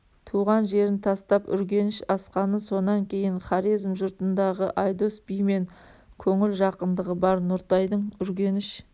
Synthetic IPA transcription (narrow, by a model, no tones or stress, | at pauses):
t̪ʰuʁɑnʒe̞ɾɪnt̪ʰɑst̪ɑpʏ̰ɾɡʲe̞nɪʃɑsqɑnəso̞nɑŋkʲʰe̞jɪɴχɑɾizmʒʊɾt̪ənd̪ɑʁəʔɑjd̪o̞sbijme̞ŋkʲʰɵŋɪlʒɑqənd̪əʁəbɑɾnʊɾt̪ɑjd̪əɴʏɾɡʲe̞nɪʃ